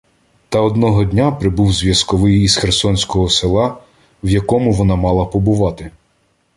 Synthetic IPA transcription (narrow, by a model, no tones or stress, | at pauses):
t̪ɐɔd̪nɔɦɔdʲnʲapɾɪbuwzʲʋʲjɐskɔʋɪjizxersɔnʲsʲkɔɦɔsɪlˠɑ | wjɐkɔmʊʋɔnɑmɑlˠɐpɔbʊʋɑt̪ɪ